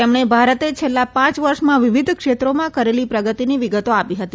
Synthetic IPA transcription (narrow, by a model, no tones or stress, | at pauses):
emɳ̃ebʱaɾət̪et͡ʃʰelːapãt͡ʃʋəɾʃmãʋɪʋid̪ʱkʃet̪ɾomãkəɾelipɾəɡət̪iniʋiɡət̪oapiɦət̪i